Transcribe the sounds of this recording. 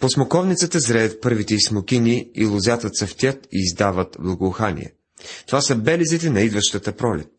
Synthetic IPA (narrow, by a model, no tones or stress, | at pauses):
posmokɔvnit̪sət̪əzɾɛɐt̪̚pɤɾvit̪ɛismʊkʲiniilˠʊzʲat̪ət̪sɐft̪ʲjət̪iːzd̪avət̪blˠɐɡoːxanḭɛ̰ | t̪ovasəbɛlizit̪ɛnɐid̪vəʃt̪ət̪əpɾɔlɛ̰t̪̚